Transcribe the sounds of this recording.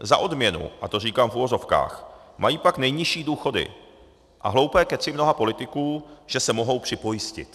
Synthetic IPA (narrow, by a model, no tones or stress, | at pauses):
za̰ʔo̞dmɲɛnṵʔat̪o̞r̝iːkaːmfuvo̞zo̞fka̰ːx | majiːpaknɛjɲɪʃiːduːxo̞dɪ̰ | ʔa̰ɦlo̞wpɛːkɛsɪmno̞ɦapo̞lɪt̪ɪkuːʒ̥ɛsɛmo̞ɦo̞wpr̥ɪpo̞jɪscɪ̰t̪